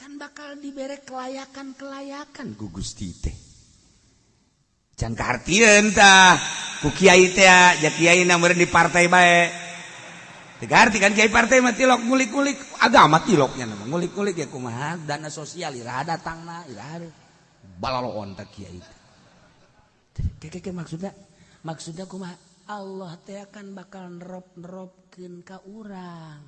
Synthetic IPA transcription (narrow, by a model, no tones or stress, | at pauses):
kanbakaldibɛɾɛkːəlajakankəlajakankuɡust̪ḭt̪ɛ | t͡ʃankaɦart̪iənt̪akukiait̪ɛad͡ʒakiainamuɾɛndipart̪aibaɛʔ | t̪ɛkaɦart̪ikankiaipart̪aimat̪ilɔk̚ŋulik̚ŋulɪka̰ɡamat̪ilɔk̚ɲanamaŋŋulik̚ŋulik̚jakumaɦadanasosialiɾaɦadat̪aŋnaiɾa̰ɦa | balaloʔa̰nt̪akia̰ḭt̪ɛ̥ | t̪ɛkɛkɛkɛmaksut̪̚ɲamaksut̪̚ɲakumaɦa | alːɔht̪ɛakanbakalnɾɔp̚nɾɔp̚kinkaʔuɾaŋ